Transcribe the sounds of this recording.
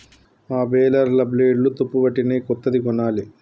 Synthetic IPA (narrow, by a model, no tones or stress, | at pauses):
aːbɛːlɐɾlɐbleːɖlut̪opːubɐʈːineːkɔt̪ːɐd̪ikɔnaːli